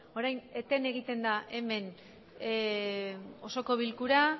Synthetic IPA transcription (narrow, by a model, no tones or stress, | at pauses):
o̞ɾajne̞t̪ene̞ɣ̞it̪e̞nd̪aʔe̞me̞n | o̞so̞ko̞βilkuɾa